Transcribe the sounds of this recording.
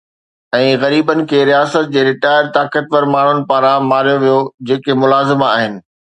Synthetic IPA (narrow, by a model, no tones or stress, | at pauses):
ɛ̃ːɣɐɾiːbənɪ̆kʰeːɾijaːsət̪̚d͡ʑeːɾɪʈaːɪɾt̪aːkət̪ʋɐɾmaːɳ̤ʊnɪ̆paːɾãmaːɾijoʋijod͡ʑeːkemʊlaːzɪma̰ːɦɪnɪ̆